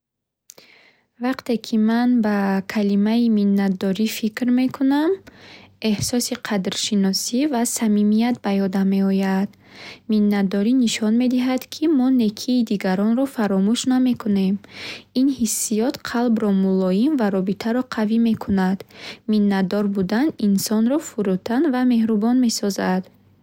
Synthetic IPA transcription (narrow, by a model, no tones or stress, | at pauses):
vaqt̪e̞kʰimanbakʰalimaiminːat̪̚d̪ɔɾifikɾme̞kʰunam | e̞hsɔsiqʰad̪ɾʃinɔsivasamimijat̪̚bajɔd̪ame̞ɔjad̪̥ | minːat̪̚d̪ɔɾiniʃɔnme̞d̪iɦad̪̥kʰimɔne̞kʰiːd̪iɡaɾɔnɾɔfaɾɔmuʃname̞kʰune̞minhisːijɔt̪qʰalbɾɔmulɔjinvaɾɔbit̪ʰaɾɔqʰavime̞kʰunad̪minːad̪ɔɾbud̪aninsɔnɾɔfuɾut̪ʰanvame̞hɾubɔnme̞sɔzad̪̥